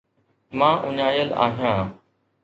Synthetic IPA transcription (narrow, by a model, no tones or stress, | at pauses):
mãːʔʊɲaːjəla̰ːɦijãː